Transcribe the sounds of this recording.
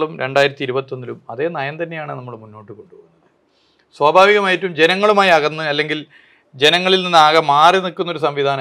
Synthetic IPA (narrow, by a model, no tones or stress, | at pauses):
ɭumɾʔe̞ɳɖaːjiɾɐt̪ːiɾubɐt̪ːond̪ilumɐðe̞ːnɐjɐnt̪ɐnːejaːɳɨnɐmːɐɭmunːo̞ːʈːɨko̞ɳɖuoːɣunːɐðɨ | swaːbʱaːʋiɣɐmaːjitːumd͡ʑe̞nɐŋːɐɭumaːjiɐɣɐnːuɐlːe̞ŋɡil | d͡ʑe̞nɐŋːɐɭilninːaːɣɐmːaːrinikːunːo̞ɾusɐmʋid̪ʱaːnɐ